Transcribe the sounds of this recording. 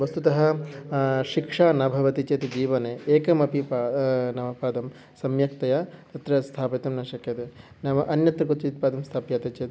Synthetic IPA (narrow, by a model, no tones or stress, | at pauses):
ʋɐst̪ut̪ɐɦɐ̆ | ʃikʂaːnɐbʱɐʋɐt̪it͡ʃeːt̪ed͡ʒiːʋɐneːeːkɐmɐpipanɐʋɐpaːd̪ɐm | sɐmjɐk̚t̪ɐjɐt̪ɐt̪ɾɐst̪ʰaːpit̪ɐmnɐʃɐkjɐt̪e | nɐmɐʔɐnjɐt̪ɾɐkut̪t͡ʃit̪̚paːd̪ɐmst̪ʰaːpjaːt̪ɐt͡ʃeːt̪